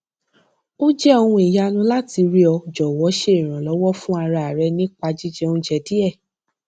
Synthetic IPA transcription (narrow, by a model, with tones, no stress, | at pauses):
o˦d͡ʒɛ˦ɔ˧hũ˧i˨ja˧nũ˦la˦ti˧ɾi˦ɔ˧d͡ʒɔ˨wɔ˨˦ʃe˦i˨ɾ̃ã˨lɔ˨˦wɔ˦fũ˦a˧ɾa˧˨ɾɛ˧˦nĩ˦k͡pa˧d͡ʒi˦d͡ʒɛ˧o˧ũ˧d͡ʒɛ˨di˦ɛ˦˨